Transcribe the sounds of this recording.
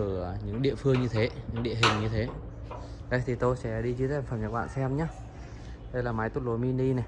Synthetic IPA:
ʔəː˧˩ɲɨ̰˧˥ŋɗḭ˧˨əfɨ˧əŋɲɨ˧t̪ʰe˨˦ɲɨ̰˧˥ŋɗḭ˧˨əɦï˨˩ŋ̟ɲɨ˧t̪ʰe˨˦ | ɗə̰˧˦jt̪ʰi˨˩t̪o˧jsɛ̰˧˥ɗi˧t͡ɕi˧zfə˨˩mɲə˨˦˥k̚ɓa̰ː˧˨nsɛ˧mɲaː˨˦˥ | ɗə˧jlaː˨˩maː˨˦jt̪u˦˥lo˨˦jmi˧nɗi˧na˨˩

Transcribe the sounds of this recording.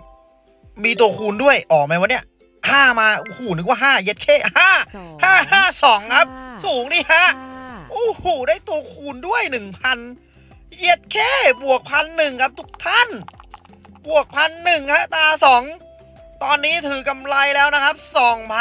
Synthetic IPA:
miː˧t̪u˧ɐkʰuː˧ndu˥˩əjʔɔː˨˩ma˧jwa˧˥ni˦˥˩ɐ | haː˥˩maː˧ʔu˧˩huː˨˩nɯ˨˩˦kwaː˥˩ɦaː˥˩je˦˥t̪̚kʰeː˥˩haː˥˩haː˥˩haː˥˩sɔː˩˦ŋkʰa˦˥p̚suː˨˦ŋdiː˧˥˩haː˥˩ʔoː˧˥˩huː˨˩daː˥˩jt̪u˧əkʰuː˧ndu˥˩əjnɯ˨˩ŋpʰa˧n | je˦˥t̪̚kʰeː˥˩bu˨˩ək̚pʰa˧nːɯ˨˩ŋkʰa˦˧˥p̚t̪ʰu˦˥k̚t̪ʰa˥˩n | bu˨˩ək̚pʰa˧nːɯ˨˩ŋkʰa˦˥ʔt̪aː˧sɔː˩˦ŋ | t̪ɔː˧nːiː˦˥t̪ʰɯː˨˩˦ka˧mla˧jlɛː˦˥wna˦˥kʰa˦˥p̚sɔː˨˩˦ŋpʰa˧

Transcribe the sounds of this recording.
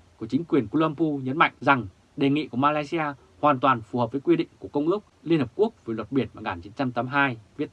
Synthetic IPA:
ku˧˩ət͡ɕi˨˦ŋ̟kwi˨˩ənku˧la˧mpu˧ɲə˨˦nma̰˧˨jŋ̟za˨˩ŋ | ɗe˨˩ŋḭ˧˨ku˧˩əmaː˧laː˧jsi˧aː˧ | hwaː˨˩nt̪waː˨˩nfu˨˩həː˨˩p̚vəː˨˦jkwi˧ɗḭ̈˧˨ŋku˧˩əkə˧wŋ͡mʔɨ˦˥ək̚li˧ənhəː˨˩p̚ku˦˥ək̚və˨˩jlwə˨˩t̚ɓi˧˩ənvaː˨˩ŋɣaː˨˩nt͡ɕi˨˦nt͡ɕa˧mt̪aː˨˦mɦaː˧jvi˦˥ət̚

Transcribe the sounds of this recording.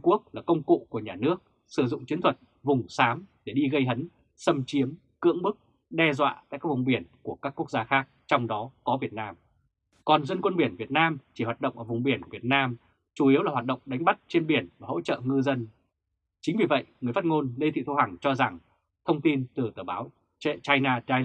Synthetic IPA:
ku˦˥ək̚laː˨˩kə˧wŋ͡mkṵ˧˨ku˧˩əɲaː˨˩nɨ˦˥ək̚ | sɨ˨˧˩zʊ̰˧˨ŋ͡mt͡ɕwi˨˦nt̪ʰwə˨˩t̚ | vʊ˨˩ŋ͡msaː˨˦mɗe˧˩ɗi˧ɣə˧jɦə˨˦n | sə˧mt͡ɕi˨˦əm | kɨ̰˧˥əŋɓɨ˦˥k̚ | ɗɛ˧zwa̰ː˧˨t̪a̰ː˧˨kaː˦˥vʊ˨˩ŋ͡mɓi˧˩ənku˧˩əkaː˦˥kːu˦˥ək̚zaː˧xaː˦˥k̚t͡ɕɔ˧wŋ͡mɗɔ˨˦kɔ˨˦vi˨˩ət̚naː˧m | kɔ˨˩nzə˧nkwə˧nɓi˧˩ənvi˨˩ət̚naː˧mt͡ɕi˧˩hwa˨˩t̚ɗə̰˧˨wŋ͡mʔəː˧˩vʊ˨˩ŋ͡mɓi˧˩ənkvi˨˩ət̚naː˧m | t͡ɕu˧˩ʔi˨˦wa˨˩waː˨˩ɗə̰˧˨wŋ͡mɗa˨˦ŋ̟ɓa˦˥t̚t͡ɕe˧nɓi˧˩ənvaː˨˩ho̰˧˥t͡ɕə̰ː˧˨ŋɨ˧zə˧n | t͡ɕï˨˦ŋ̟vi˨˩və̰˧˨jʔŋɨ˨˩əfaː˦˥t̚ŋo˧nle˧t̪ʰḭ˧˨t̪ʰha˨˩ŋt͡ɕɔ˧za˨˩ŋ | t̪ʰə˧wŋ͡mt̪i˧nt̪ɨ˨˩t̪əː˧˩ɓaː˨˦w | t͡ɕa˧jnaː˧a˧

